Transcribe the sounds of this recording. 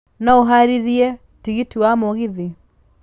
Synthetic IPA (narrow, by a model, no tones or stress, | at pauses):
naoɦaɾiɾiɛ | tiɣitiwamoɣiði